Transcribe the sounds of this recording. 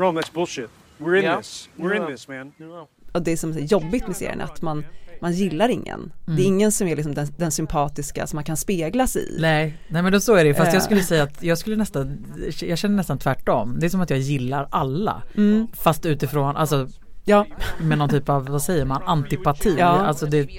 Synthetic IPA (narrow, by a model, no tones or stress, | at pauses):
ɹɔ̃ðætsb̥ʊlˠʃɪt̚ | wɪɹ̃ɪswɪɹɪ̃ðɪsmæ̃n | ɔd̪ɛːsɔmsæjɔbːɪt̪mɛsḛːɾɪə̰na̰a̰t̪manmanjɪlːaɾɪŋːə̰nd̪ɛːɾɪŋːənsɔmæɾɭɪks̬ɔmd̪ɛnd̪ɛnsʏmpʰɑːt̪ɪska̰sɔmːankʰanspeːɡlasɛ̰ɪ̰nɛnɛmɛnɔsɔæɾɛjəfast̪jɑːskɵlːəsɛjːaːt̪jɑːɡskɵlːənɛst̪an | jɑːɡɕɛnːəɳɛst̪ant̪ʰvæʈːɔmd̪ɛæsɔmat̪jɑːɡjɪlːaɾalːa̰fast̪ʉ̟ːt̪ɪfɾoːnʔa̰lsɔ | jɑːmɛnɔnt̪ʰyːpavvasɛjːəɾmanant̪ɪpat̪ʰiːa̰lsɔd̪ɛ